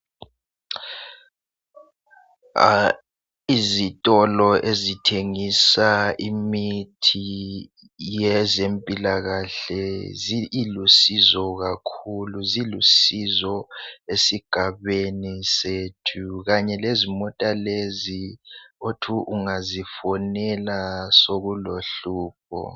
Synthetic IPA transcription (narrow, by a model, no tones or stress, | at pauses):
izitʼɔlɔʔezitʰeŋisaimitʰi | jɛzempʼilaɣaɬɛziilusizɔɣakʰuluzilusizɔesiɡ̥ʱaβeniseːtʰuɣaɲɛlezimɔtʼaleziotʰuʔuŋazifɔnɛlasoɣuloɬuːp̚ʰɔ̰